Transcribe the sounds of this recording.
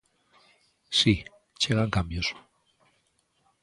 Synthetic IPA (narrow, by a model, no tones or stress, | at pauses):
si | t͡ʃeɣaŋkambjos